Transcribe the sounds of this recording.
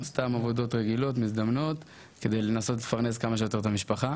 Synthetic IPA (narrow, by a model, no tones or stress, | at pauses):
st̪amavo̞d̪o̞t̪ʁeɡilo̞tmizd̪amno̞t | ke̞d̪e̞jlenaso̞t̪lefaʁne̞skamaʃejot̪e̞ʁt̪amiʃpaχa